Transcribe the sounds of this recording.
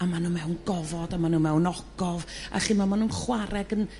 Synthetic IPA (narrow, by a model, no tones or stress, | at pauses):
amanuːmɛwnɡɔvɔdamanuːmɛwnɔɡ̥ɔva̰ɬimamanuːnχwaɾɛɡən